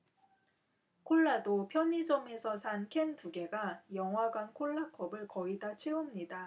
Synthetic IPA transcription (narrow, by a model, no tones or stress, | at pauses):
kʰoɭːadopʰjʌɲid͡ʑʌme̞sʰʌsʰankʰe̞ntuɡe̞ɡajʌŋɦwaɡwankʰoɭːakʰʌbɯɭkʌidat͡ɕʰeumɲida